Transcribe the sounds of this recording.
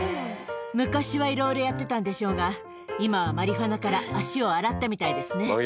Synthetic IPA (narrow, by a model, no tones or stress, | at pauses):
mɯ̟kaɕiβaiɾo̞iɾo̞jat̪ːe̞t̪ãnd̪e̞ɕo̞ːɡa | imaβamaɾʲiɦanakaɾaːɕio̞aɾat̪ːamʲit̪aid̪e̞sɨne